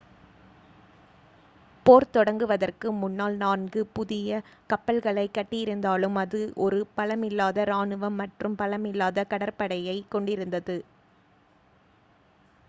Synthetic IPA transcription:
poːɾt̪ɔɽɐŋɡɯʋɐðɐrkɯmʊnːaːlnaːnɡɯpʊðɪjɐkɐpːɐɭɣɐɭɐɪkːɐʈːɪjɪɾɯnd̪aːlɯmɐðɯʔɔɾɯpɐlɐmɪlːaːðɐɾaːnɯʋɐmːɐʈrɯmpɐlɐmɪlːaːðɐkɐɽɐɾpɐɽɐjɐɪkːɔɳɖɪɾɯnd̪ɐðɯ

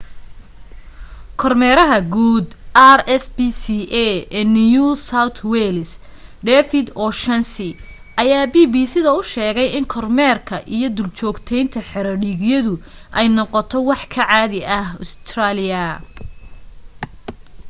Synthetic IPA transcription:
kʰɔrmɛːɾɐɦɐɡuːd̪arɛsbisiʔɛɛnijusawt̪ʰwɛlsɖɛfɪd̪ɔːʃɐnsɪ | ʔɐjaːbiːbiːsɪðɐʊʃɛːɣɛjɪŋkʰɔrmɛːrkʰɐʔijɞd̪ʊlt͡ʃɔːɡt̪ʰɛjnt̪ʰɐħɛɾɐɖiɡjɐðʊ | ʔɛjnɔqɔt̪ʰɔwɑħkʰɐʕaːðɪʔɐhʊ̰st̪ʰraːlɪjɐ

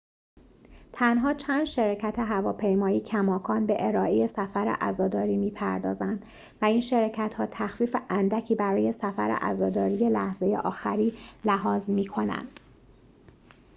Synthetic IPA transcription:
t̪ʰænɦɒːt͡ʃʰæːnd̪ʃeɾɒːcʰæt̪ʰe̞ɦævɒːpʰe̞jmɒːiːcʰæmɒːkʰɒːnbe̞ʔeɾɒːʔeje̞sæfæɾḛʔæzɒːd̪ɒːɾiːmiːpʰæ̰ɾd̪ɒ̰ːzænd̪̥ | væiːnʃeɾɒːcʰæt̪hɒːt̪ʰæxfiːfeʔænd̪æcʰiːbæɾɒːje̞sæfæ̰ɾḛʔæ̰zɒːd̪ɒːɾije̞læhze̞jḛʔɒːxæɾiːlæɦɒːzmiːkʰo̞næ̰nd̪̥

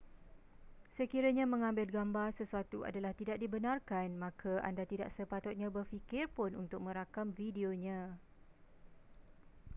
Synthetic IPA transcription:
səkiɾaɲãmə̃ŋãmbɪlɡambarsəsuat̪ua̰dalaht̪idaʔ̚dibənãrkanmãkʰaʔa̰ndat̪ida̰ʔsəpat̪ʊt̪̚ɲãbərfikɪrpʊnṵnt̪ʊk̚mə̃ɾakamfidioɲã

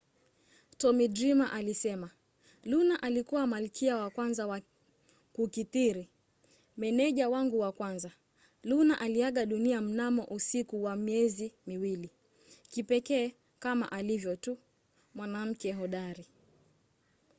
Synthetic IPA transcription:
tɔmidɾimaʔalisɛma | lunaʔalikuwamalikʰiawakwanzawa | kukitiɾi | mɛnɛʄawaŋɡuwakwanza | lunaʔaliaɠaɗuniam̩namɔ̰ʔusikuwamiɛzimiwili | kipɛkɛː | kama̰ʔalivjɔtu | mwanam̩kɛɦɔɗaɾi

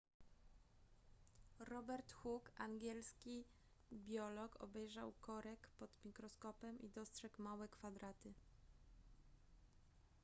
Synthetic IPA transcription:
ɾɔbɛɾt̪xukaŋɡʲjɛlskʲi | bʲjɔlɔkʰɔ̰bɛjʐawkɔɾɛkpɔd̪mʲikɾɔskɔpɛmʔḭd̪ɔstʂɛkmawɛkfad̪ɾat̪ɘ

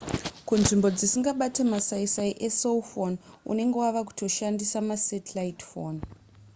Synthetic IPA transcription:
kunʐimbo̞d͡zisiŋɡaɓatemasaisaiʔesolfonṵne̞ŋɡe̞waʋaku̥to̞ʃandisamasetlaitfoːn

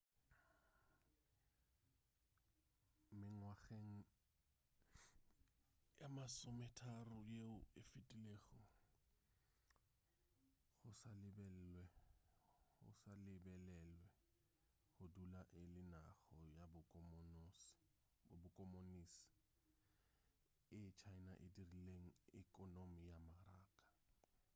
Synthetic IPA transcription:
mɪŋwaɣeŋ̩ | jamasʊmɛtʰarʊjeʊɪfɪtʼileːɣɔ | ɣʊsalɪbɛwɛ | ʊ̰salɪbɛlɛlwɛ | ɣʊdulaʔɪlɪnaɣɔjabʊmn | bʊkʼɔmonisi̥ | ɪt͡ʃʰaɪnaʔɪdirileŋ̩ɪkʼɔnomijamaraːkʼḁ

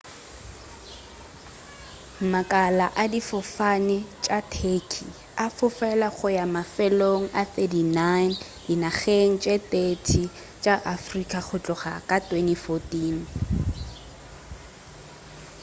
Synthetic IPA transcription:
makʼalaʔadifʊfanɪt͡ʃʼatʰekʰi | afʊfɛlaχʊjamafɛloŋ̩ʔaθedinan | dinaχeŋ̩t͡ʃʼet̪ʼetʰi | t͡ʃʼaʔafrikʼak͡xʰʊt͡ɬʼʊχakʼatʼwenifotiːn

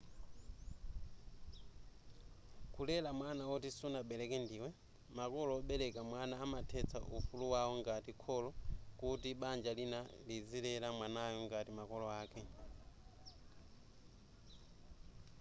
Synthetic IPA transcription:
kulɛlamwanawɔtisunaɓɛlɛkɛndiːwɛ | makɔlɔːɓɛɾɛkamwanaːmatʰɛt͡sʰa̰ʔufuluwawɔŋɡatikʰɔlɔkutiɓand͡ʒalinalizilɛlamwanajɔŋɡatimakɔlɔaːkʰɛ

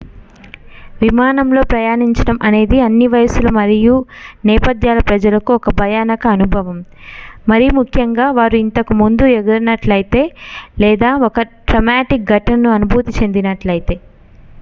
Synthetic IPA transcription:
ʋimaːnɐmlo̞ːpɾɐjaːɳiɲt͡ʃɐɽɐmʔɐne̞ːd̪iɐnːiʋɐjɐsulɐmɐɾijunɛːpɐd̪ʱjaːlɐpɾɐd͡ʒɐlɐkuɔkɐbʱɐjaːnɐkɐːnubʱɐʋɐmmɐɾijumukʰjɐŋɡaːʋaːɾuint̪ɐkumund̪ueɡɐɾɐnɐʈlɐjit̪e̞ːlɛːd̪aːɔkɐɖɾɐmaːʈik̚ɡʱɐʈɐnɐnuɐnubʱuːt̪it͡ʃe̞nd̪inɐʈlɐjit̪e̞ː

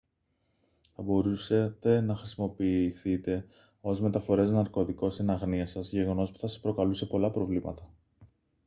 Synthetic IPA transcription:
θɐbo̞ɾuset̪e̞nɐxɾisimo̞piːθit̪e̞ | o̞zme̞t̪ɐfo̞ɾeznɐɾko̞ðiko̞st̪inɐɣniɐsɐzʝe̞ɣo̞no̞spu̥θɐsɐspɾo̞kɐluse̞po̞lɐpɾo̞vlimɐ̰t̪ɐ

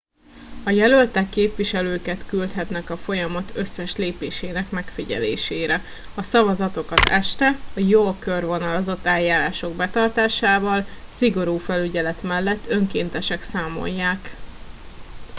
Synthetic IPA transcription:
ɒjɛlølt̪ɛkːeːpʋiʃɛløːkɛt̪kylt̪ɦɛt̪nɛkɒfo̞jɒmɒt̪ʰø̞sːɛʃleːpeːʃeːnɛkmɛkfiɟɛ̰lḛːʃeːɾɛ | ɒsɒvɒzɒt̪o̞kɒt̪ɛʃt̪ɛɒjoːkørvo̞nɒlo̞zo̞t̪ːɛːjːaːɾaːʃo̞ɡbɛt̪ɒrt̪aːʃaːvɒlsiɡo̞ɾuːfɛlyɟɛlɛt̪mɛlːɛt̪ːø̞ŋkeːnt̪ɛʃɛksaːmo̞̰jːaːk

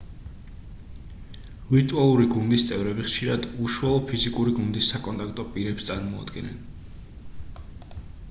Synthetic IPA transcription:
viɾt̪ʼualˠuɾiɡund̪ist̪sʼɛvɾɛbiχʃiɾad̪uʃualˠɔpʰizikʼuɾiɡund̪isːakʼɔnt̪ʼak̚ʰt̪ʼɔpʼiɾɛpst̪sʼaɾmɔa̰d̪̥ɡɛnɛ̰n

